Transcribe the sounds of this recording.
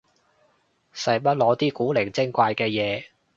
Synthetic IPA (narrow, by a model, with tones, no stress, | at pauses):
sɐ˨jpɐ˥t̚lɔː˨˧˥t̪iː˥kuː˨˥lɪ˨˩ŋt͡sɪ˥ŋkʷaː˧jkɛː˧jɛː˨˧